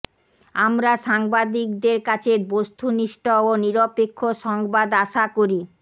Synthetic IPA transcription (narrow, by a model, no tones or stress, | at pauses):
amɾaʃaŋbad̪ik̚d̪eɾkat͡ɕʰeɾbost̪ʰuniʃʈɔoniɾopekʰːoʃɔŋbad̪aʃakoɾi